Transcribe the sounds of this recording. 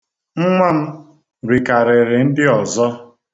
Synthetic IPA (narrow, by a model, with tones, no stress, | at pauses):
ŋ͡m̩˦ŋʷa˦m̩˦ | ɾi˨ka˨ɾɪ˨ɾɪ˨n̩˦dɪ˦ɔ˨zɔ˦